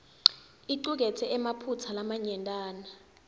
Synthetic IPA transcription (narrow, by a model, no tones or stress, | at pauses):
iǃuk̬ɛtʰɛɛmapʰut͡sʰalamaɲɛntʼaːna